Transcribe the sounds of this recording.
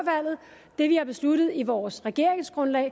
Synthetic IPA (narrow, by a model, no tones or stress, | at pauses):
ʋæl̰ð̞̩ˠ | d̥e̝ʋihɑ̈b̥e̝sluɾ̥əð̩ˠiʋɒːsʁɛɡ̥e̝ɐ̰eŋsɡ̥ʁɔ̽nlɛ̰ː